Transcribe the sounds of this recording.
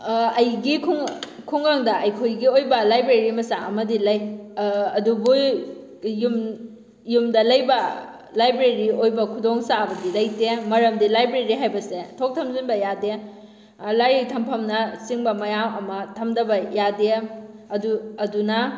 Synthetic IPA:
ɐjɡikʰuŋ | kʰuŋaŋdɐʔɐjkʰojɡiojbɐlajbɾeɾimɐsaʔɐmɐdilɐj | ɐdubu | jum | jumdɐlɐjbɐ | lajbɾeɾiojbɐkʰudoŋsaɐbɐdilɐjtemɐɾɐmdilajbɾeɾiɦajbɐsetʰok̚tʰɐmzinbɐjade | lajɾetʰɐmpʰɐmnɐsiŋbɐmɐjamɐmɐtʰɐmdɐbɐjadeɐduɐdunɐ

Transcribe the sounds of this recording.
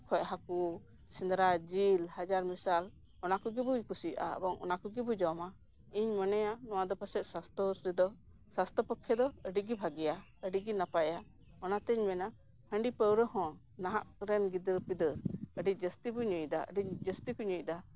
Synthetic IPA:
kʰɔc̚ɦaku | sind̪ɾad͡ʒilhad͡ʒaɾmisal | ɔnakɔɡɛbukusiʔa̰ə̰bɔŋɔ̰nakɔɡɛbud͡ʒɔma | iɲmɔnɛjanɔwad̪ɔpəsɛt̪̚sast̪ɔsid̪ɔ | sast̪ɔpɔkʰːɛd̪ɔəɖiɡibʱaɡija | əɖiɡinapaja | ɔnat̪ɛɲmɛna | hə̃ɳɖipəwɾəhɔ̃ | naɦa̰ʔɾɛnɡid̪əɾpid̪əɾəɖid͡ʒəst̪ibuɲəjd̪a̰ə̰ɖid͡ʒəst̪ikuɲuʔd̪a

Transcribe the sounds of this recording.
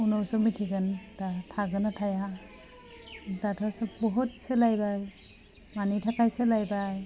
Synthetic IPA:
unɔwsɔmitʰiɡɯndatʰaɡɯnatʰaja | tatʰasɔbɔɦut̚selajbaj | manitʰakajselajbaj

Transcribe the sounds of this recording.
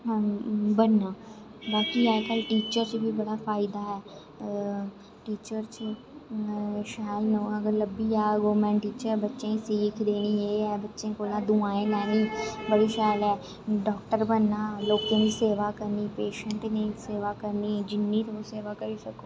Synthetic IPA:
bənːaː | baːkiːakəlʈiːt͡ʃəɾt͡ʃbiːbəɽaːfʰaːɪd̪aːɦɛː | ʈiːt͡ʃəɾt͡ʃ | ʃaːlnũːəɡəɾləbiːaːɡoːmɛ̃ːɳʈiːt͡ʃəɾbətːʃẽːsiːkʰd̪eːniːeːɛːbətːʃẽːkoːlãːd̪ʊãːẽːlɛːniːbəɽiːsɛːlɛː | ɖɔːkʈəɾbənːaːloːkẽːniːseːʋaːkəɾniːpeːʃə̃ɳʈnẽːseːʋaːkəɾniːd͡ʒɪnːiːt̪oseːʋaːkəɾiːsəkoː

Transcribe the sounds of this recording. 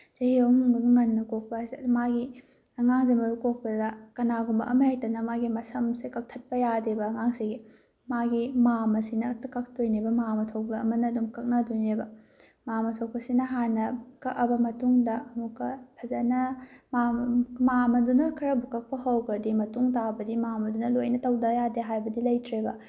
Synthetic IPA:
zɐhiomuŋɡɐɡŋɐnːɐkok̚pɐsmaɡi | ɐŋaŋzemɐɾukok̚pɐdɐkɐnaɡumbɐʔɐmɐjajtɐnɐmaɡimɐsɐmsekɐk̚tʰɐt̚pɐjadebɐːŋaŋsiɡi | maɡimamɐsinɐtkɐk̚tojnebɐmamɐtʰow̚bɐːmɐnɐdumkɐk̚nɐdojnebɐ | mamɐtʰow̚pɐsinɐɦanɐkɐkɐbɐmɐtuŋdɐɐmukːɐpʰɐzɐnɐmammamɐdunɐkʰiɾɐbukɐk̚pɐɦɐwkɐɾdimɐtuŋtabɐdimamɐdunɐlojnɐtɐwdɐjadeɦajbɐdilɐjtʰɾebɐ

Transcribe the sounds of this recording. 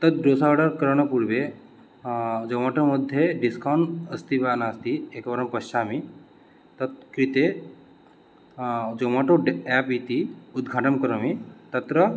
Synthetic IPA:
t̪ɐt̪̚ɾosaɖaɾkəɾɳ̃ɐpuɽbe | d͡ʒomaʈomɐd̪ʱːjeɖiskawɳɖəst̪ibaːnaːst̪iekbɐɾɐmpɐʃt͡ʃaːmi | t̪ɐt̪̚kɾit̪e | d͡ʒomaʈoɖɛːpit̪iud̪̚ɡʱaːʈɐmkəɾəmit̪ɐt̪ɾə

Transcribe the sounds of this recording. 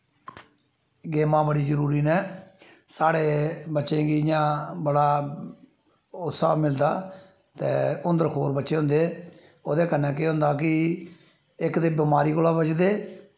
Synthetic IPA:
ɡeːmãːbəɽiːzəɾuːɾiːnɛː | saːɽeːbətːʃẽːɡiːjãːbəɽaː | ʊt̪saːmɪld̪aː | t̪eːʊnd̪əɾkʰoːɾbətːʃeːɦʊ̃nd̪eː | oːd̪eːkənːɛːk̬eːɦʊ̃ːnd̪aːk̬ɪ | ɪkd̪eːbɪmaːɾiːkolaːbət͡ʃd̪eː

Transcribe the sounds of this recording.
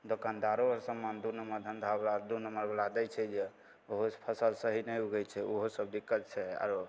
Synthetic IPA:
d̪okand̪aɾoəɾsəmːand̪unəməɾd̪ʱənd̪ʱablad̪unəməɾbəlad̪ət͡ʃʰɛd͡ʒe | oɦopʰəsəlsəɦinɛjuɡɛt͡ʃʰɛoɦosəb̚d̪ikːət̪̚t͡ʃʰɛa̰ɾo

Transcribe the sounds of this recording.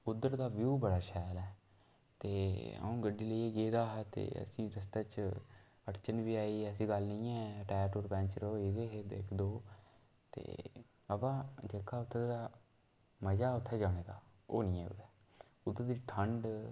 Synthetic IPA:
ʊd̪ːəɾd̪aːʋjuːbəɽaːʃɛːlɛː | t̪eːə̰ũːɡəɖiːləieːɡeːd̪aːɦt̪ḛːə̰sĩːɾəst̪aːt͡ʃ | əʈt͡ʃənʋiːaːiːəsĩːɡəlnĩːɛ̃ːʈɛːʈoːɾpɛ̃ːɲt͡ʃɾoiːd̪eːɦed̪ḛːkʰd̪oː | t̪ḛː | əbãːd͡ʒeːkʰːaːʊt̪ʰːeːeɾaː | məd͡ʒaːʊt̪ʰːɛːd͡ʒaːɽ̃eːd̪aːo̰ːnĩːɛːʊ̰d̪ɛː | ʊd̪ːəɾd̪iːʈʰəɳɖ

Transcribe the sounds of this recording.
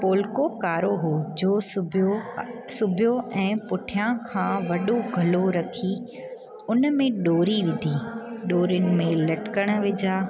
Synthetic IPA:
poːlkokaːɾoɦoːd͡ʑoːosʊbʱɪjoɛ̃ːpʊʈʰijãkʰãːʋɐɗoɡʱɐloɾɐkʰi | ʊnmẽɗoːɾiʋɪ̃nd̪ʱiːɗoːɾʊnɪ̆mẽlɐʈkəɽ̃əʋɪd͡ʑʱaː

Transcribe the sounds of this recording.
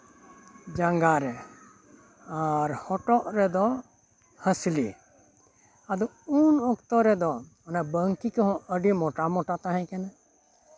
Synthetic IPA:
d͡ʒaŋɡaɾɛ | aɾhɔʈɔʔɾɛd̪ɔ | həslḭ | ad̪ɔ | unɔkt̪ɔɾɛd̪ɔ | nabəŋkikeɦɔ̃əɖimɔʈamɔʈat̪aɦɛ̃kɛna

